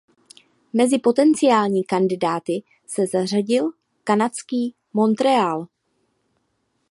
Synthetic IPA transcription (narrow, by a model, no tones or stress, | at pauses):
mɛzɪpo̞t̪ɛnt͡sɪaːlɲiːkandɪdaːt̪ɪ | sɛzar̝aɟɪl | kanat͡skiː | mo̞nt̪ɾɛaːl